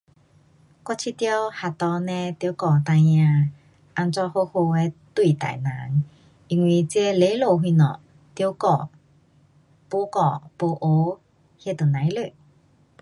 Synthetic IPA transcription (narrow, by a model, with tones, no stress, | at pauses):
kwɔ˥˧˥t͡ɕʰi˧t̪jə˧wha˨t̪ɔ˧nɛ̃˧t̪jkɔ˧˩t̪a˧jɲã˧ | ʔa˧nt͡sɔ˧ho˧˥ho˧e˧˦t̪wi˧˨t̪a̰˨˩jnã̰˨˦ŋ | ʔi˧ŋwi˧t͡se˧˦le˨˧˦lo˨˧˩ɦwi˧˨nɔ̰˨ | t̪jo˧˦kɔ˧˨ | po˧˦kɔ˧˨po˧ʔo˧˦ | hjɛ˧˨t̪o˨˩nã˨˦jlø˧˨